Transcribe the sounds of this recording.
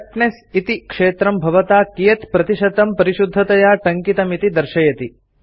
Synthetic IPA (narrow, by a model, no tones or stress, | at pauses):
ʈɳes | it̪ikʂeːt̪ɾɐmbʱɐʋɐt̪aːkijɐt̪pɾɐt̪iʃɐt̪ɐmpɐɾiʃud̪ʱːɐt̪ɐjaːʈɐŋkit̪ɐmit̪id̪ɐɾʃɐjɐt̪i